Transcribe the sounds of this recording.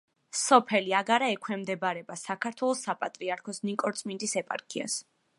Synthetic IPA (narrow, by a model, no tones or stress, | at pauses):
sɔpʰɛliaɡaɾaɛkʰɛmd̪ɛbaɾɛbasakʰaɾt̪ʰwɛlˠɔsapʼat̪ʼɾiaɾkʰɔsnikʼɔɾt̪sʼmind̪isɛpʼa̰ɾkʰia̰s